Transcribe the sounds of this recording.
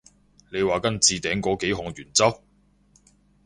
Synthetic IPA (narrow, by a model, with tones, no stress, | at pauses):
le˨˧jwaː˨kɐ˥nt͡siː˨˧t̪ɛː˨˥ŋkɔː˨˥ke˨˥jɦʊ˨ŋjyː˨˩nt͡sɐ˥w